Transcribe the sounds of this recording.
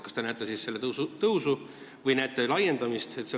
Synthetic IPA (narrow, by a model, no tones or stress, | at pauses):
kɑst̪enæjt̪ːˑesisse̞lːet̪sut̪ɤwsu | vɤjnæjt̪ːˑelɑje̞nd̪ɑmist̪et̪se